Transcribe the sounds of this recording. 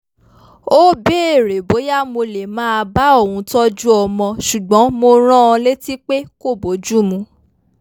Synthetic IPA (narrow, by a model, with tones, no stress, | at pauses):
o˦be˦e˦˨ɾe˨bo˨˦ja˦˨mo˧le˨mãː˦a˧ba˦o˦˨wũ˧˦tɔ˦d͡ʒu˦ɔ˧mɔ̃˧ʃu˨ɡ͡bɔ̃˨˦mo˧ɾ̃ã˦ɔ̃˧le˦ti˦k͡pe˦ko˦˨bo˨˦d͡ʒu˦˨mũ˧